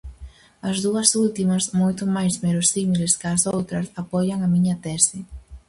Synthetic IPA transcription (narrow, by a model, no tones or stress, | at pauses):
ɐzðuɐsult̪imɐsmojt̪ʊmajsmeɾʊsimilɪskɐsowt̪ɾɐsapɔjɐŋɐmiɲɐt̪ɛsɪ